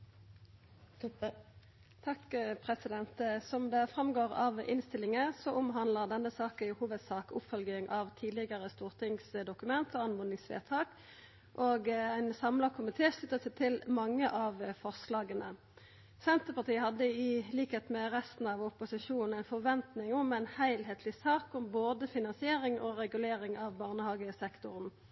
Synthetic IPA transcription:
t̪ʰɑkpʰʁɛsɪd̪ɛnt̪sɔmd̪ɛæʁfʁɑmɡoːʁɑ̰ʋɪnst̪ɪlːɪŋəsɔʔʊmɦɑnləʁd̪ɛnːəsɑːkəɪhuːʋəd̪sɑːkʊpfœlɡɪŋʔɑʋt̪ʰiːd̪lɪɡəʁəst̪uːʁt̪ʰɪŋsd̪ʊkʉmɛnt̪ɔɑnmʊnnɪŋsʋḛːʁt̪ʰɑːk | ʔoːɡæɪnsɑmlɑkʰʊmɪt̪ʰeːsʉt̪əsɛt̪ʰɪlmɑŋːəʔɑʋfɔʁslɑːɡənə | sɛnt̪əʁpɑʁt̪ʰiːəhɑd̪ːəɪliːkheːt̪mɛʁɛst̪n̩ɑʋʊpʊsɪʂuːnn̩æɪnfɔʁʋɛnt̪nɪŋʊmæɪnhæɪlheːt̪ʰlɪsɑːkʊmboːd̪əfɪnɑnsɪeːʁɪŋʔɔʁɛɡʉleːʁɪŋɑʋbɑːʁnəhɑːɡəsɛkt̪ʊʁn

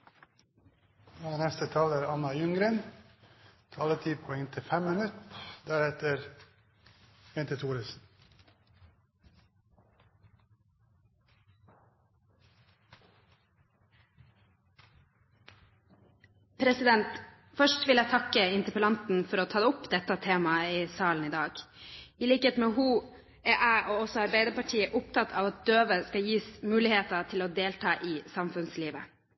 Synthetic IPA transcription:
æːnɛst̪ət̪ʰɑːlæɾɑnɑjʉŋɾən | t̪ʰɑːlət̪ʰiːpʰɔɛŋt̪ʰɪfɛmmənʉt̪d̪æɾhɛt̪əɾ | ʋɛnt̪ət̪ʰuːɾəsn̩ | pʰɾɛsɪd̪ɛnt̪ | fœʃʈʋɪlæɪt̪ʰɑkəɪnt̪əpəlɑnt̪n̩fɔɾoːt̪ʰɑːd̪əʊpd̪ɛt̪ːɑt̪ʰeːmɑiːsɑːln̩iːd̪ɑːɡɪliːkəeːt̪meːɦuː | æːʔæːʔoːɔsɔɑɾbæɪd̪əpɑʈʰiːəʔʊpt̪ʰɑt̪ʰɑ̰ːʋɑt̪̚d̪̥øːʋəskɑjiːsmʉːlɪheːt̪ɑt̪ʰɪloːd̪eːlt̪ʰɑːʔiːsɑmfʉnsliːʋə̰

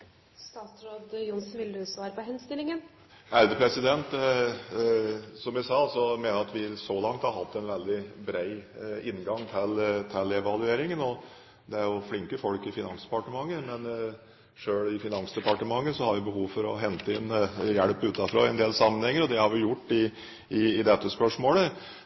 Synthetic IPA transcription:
st̪ɑːt̪sɾoːd̪jʊnsnʋɪld̪ʉsʋɑːɾəpɔɦɛnst̪ɪlːɪŋən | æɾd̪əpʰɾɛsɪd̪ɛnt̪ | sɔmjæsɑːsɔmeːnəɾɑt̪ʋɪsɔlɑŋt̪hɑɾɦɑt̪ʰːɛnʋɛld̪ɪbɾæɪɪnːɡɑŋːt̪ʰɪlt̪ʰɪlːɛʋɑlʉeːɾɪŋənɔ | d̪ɛæɾjʊflɪŋkəfɔlkɪfɪnɑŋsd̪ɛ̥pɑʈəmɑŋːəmɛn | ʂøːɭɪfɪnɑnsd̪ɛpɑʈəmɑŋːəsɔhɑɾʋɪbəɦuːʋfɔɾɔɦɛnt̪əɪnjæɽpʉːt̪ːɑfɾo̰ːɛnd̪eːlsɑmːənhɛŋːəɾɔd̪ɛhɑɾʋɪjʊʈːɪ | ɪːd̪ɛt̪ːəspœʂmoːlə

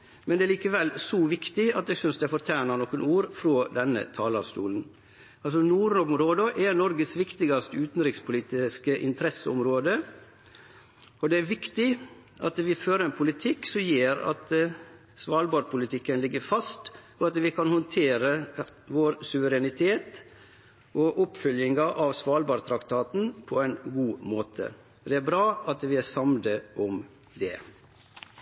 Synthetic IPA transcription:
mɛnd̪ɛæːɭiːkəʋɛlːsɔʋɪkt̪ɪɑt̪̚d̪ɛːɡsʏnsd̪ɛæfɔɾt̪ʰæːɳɑnɔkːənuːɾfɾoːd̪ɛnːə̰t̪ʰɑːlɑ̰ʋst̪ṵːln̩ | ɑls̬ɔnuːɾnɔmɾoːd̪əʔɛnɔɾɡəsʋɪkt̪ɪɡɑst̪əʉːt̪n̩ɾɪkspʰʊliːt̪ɪskəʔɪ̰nt̪ʰəɾɛsəɔmɾoːd̪ə | ɔd̪ɛæɾʋɪkt̪ɪ | ʔɑt̪ʋɪføːɾəɾɛnpʰʊlɪt̪ʰɪkːsɔmjeːɾɑ̰t̪ | sʋɑːlbɑːɾpʰʊlɪt̪ʰɪkːənlɪɡːəɾfɑst̪ | ɔɑt̪ʋɪkʰɑnhɔnt̪ʰeːɾəʋoːɾsʉʋəɾɛnɪt̪ʰeːt̪ | ʔɔʔʊpfʏljɪŋɑʔɑʋsʋɑːlbɑːɾt̪ʰɾɑkt̪ʰɑːt̪n̩pʰɔɛɪnɡuːmoːt̪ʰə̰ | d̪ɛæɾbɾɑːɑt̪ʋɪæsɑmd̪əʔɔm | d̪ɛ̰

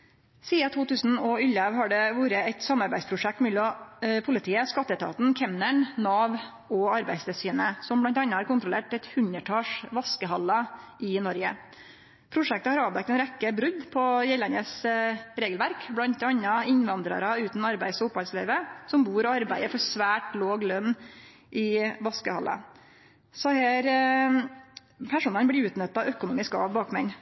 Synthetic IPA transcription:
siːɑt̪ʰuːt̪ʉːsn̩ɔʏlɑʋɦɑɖɛʋuːɾəæt̪sɑmːɑɾbæɪspʰɾʊʂɛk̚t̪mɛlɔpʰʊlɪt̪ʰiːəskɑt̪ːət̪ʰɑ̰ːt̪n̩kʰɛmnəɳnɑːʋ | ɔɑɾbæɪst̪ɛsyːnəsɔmblɑnt̪ɑnːəhɑɾkʊnt̪ɾʊleːʈɛt̪hʉnəʈʰɑːʂʋɑskəɦɑlɑɪnɔɾɡə̰ | pʰɾʊʂɛk̚t̪əhɑɾɑːʋd̪ɛk̚t̪ɛnɾɛkːəbɾʉd̪pʰɔjɛlɑnəsɾeːɡəlʋæɾkblɑnt̪ɑnːɑɪnʋɑnd̪ɾɑ̰ɾɑʉːt̪n̩ɑɾbæɪsʊphɑlsleːʋəsɔmbuːɾɔɑɾbæɪəfɔɾsʋæːʈloːɡlœnː | ʔɪʋɑskəhɑ̰lʔɑ̰ | sɔhæːɾ | pʰæʂuːnɑnblɪʉːt̪nœt̪ːɑœkʊnuːmɪskɑ̰ʋbɑːkmɛn

